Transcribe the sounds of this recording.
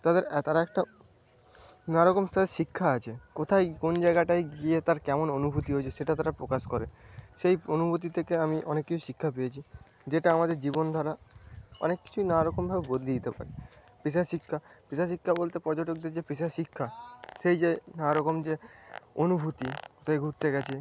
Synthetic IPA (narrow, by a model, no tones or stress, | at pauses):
t̪ad̪eɾt̪aɾaɛk̚ʈa | naɾɔkomt̪ad̪eɾʃikʰːaat͡ɕʰekot̪ʰajkond͡ʑaeɡaʈajɡiet̪aɾkɛmononubʱut̪iɦojt͡ɕʰeʃeʈat̪aɾapɾokaʃkɔɾḛ | ʃejonubʱut̪̬it̪ʰekeamiʔɔnekːit͡ɕʰu̥ʃikʰːapejet͡ɕʰi | d͡ʑeʈaamad̪eɾd͡ʑibond̪ʱɔɾa | ɔ̰nekːi̥t͡ɕʰuinaɾɔkombʱabebod̪lid̪it̪epa̰ɾe | piʃ̬aʃikʰːa | piʃaʃ̬ikʰːabolt̪epɔɾd͡ʑoʈok̚d̪eɾd͡ʑepiʃaʃikʰːaʃejd͡ʑenaɾɔkomd͡ʑe | onubʱut̪it̪aeɡʱuɾt̪eɡɛt͡ɕʰe